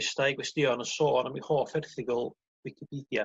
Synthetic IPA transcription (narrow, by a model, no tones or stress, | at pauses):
stajɡwɛstɪɔnəsoːnamihoːfɛrθɪɡɔlˠ | vɪkʰipʰiːdja